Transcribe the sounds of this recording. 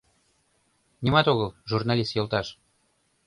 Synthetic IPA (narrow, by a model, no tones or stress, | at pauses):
nimɑt̪oɣəlʒurnɑlʲist̪jolˠt̪ɑʃ